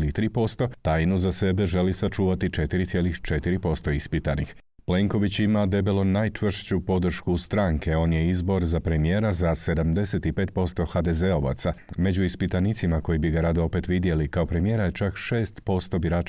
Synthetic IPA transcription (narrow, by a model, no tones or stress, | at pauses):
lit̪ɾiːpo̞st̪o̞t̪aːjnuzase̞be̞ʒe̞lisat͡ʃuːʋat̪it͡ʃe̞t̪iɾit̪sje̞lixt͡ʃe̞t̪iɾipo̞st̪o̞ispit̪anḭx | ple̞ŋko̞ʋit͡ɕimad̪e̞belˠo̞najt͡ʃʋr̩ʃt͡ɕupo̞d̪r̩ʃkust̪ɾaːŋkʰe̞o̞ːnje̞izbo̞ɾzapɾe̞mije̞ːɾazase̞d̪amd̪e̞se̞t̪ipe̞ːt̪̚po̞st̪o̞xad̪eze̞o̞ʋa̰t̪same̞d͡ʑuispit̪anit̪simako̞jibiɡaɾad̪oo̞pe̞t̪ʋid̪je̞likao̞pɾe̞mije̞ɾajet͡ʃakʃe̞ːst̪po̞st̪o̞biɾaːt͡ʃ